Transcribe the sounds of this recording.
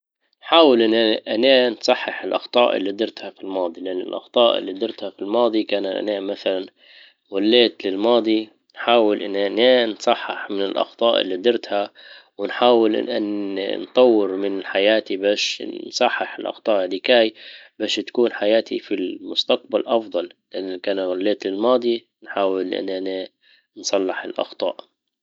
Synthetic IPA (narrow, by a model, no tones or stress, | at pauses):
nħaːwɪlʔɪnːʔaneːnsˤɑħːɪħɪlʔɑ̰xt̪ˤɑ̰ːʔɪ̰lːid̪ɪɾt̪hafilmɑːd̪ˤilɪʔanːɪ̰lʔɑ̰xt̪ˤɑːʔɪ̰lːid̪ɪɾt̪hafilmɑːd̪ˤikaːnaʔa̰naːʔmaθalan | walːeːt̪lɪlmɑːd̪ˤi | nħaːwɪlʔɪnːʔneːnsˤɑħːɪħmɪnɪlʔɑ̰xt̪ˤɑːʔɪ̰lːid̪ɪɾt̪hawɪnħaːwɪlʔʔan̰nt̪ˤɑwːɪɾmɪnɪħajaːt̪ibaːʃnsˤɑħːɪħɪlʔɑ̰xt̪ˤɑːʔɪd̪ɪkaːjbaːʃt̪ḁkuːnħajaːt̪ʰḭfilmʊst̪aq̚balʔɑfd̪ˤɑllɪʔanːakaːnaɣʊlːeːt̪lɪlmɑːd̪ˤi | nħaːwɪlʔɪ̰nʔane | nsˤɑlːɪħɪlʔɑ̰xt̪ˤɑ̰ːʔ